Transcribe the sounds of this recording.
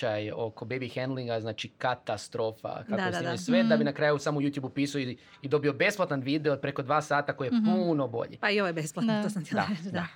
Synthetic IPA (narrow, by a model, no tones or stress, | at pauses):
ajo̞ko̞bejbixɛnd̪lˠiŋɡaznaːt͡ʃikat̪ast̪ɾo̞ːfa̰kakoseesʋed̪abinakɾaːjusaːmoujuːt̪jubupiːsaoi | id̪o̞bio̞be̞splˠat̪anʋiːd̪e̞opɾeko̞d̪ʋaːsaːt̪ako̞jepuno̞bo̞̰ʎḭpaioʋojebesplat̪noosamt̪ed̪d̪a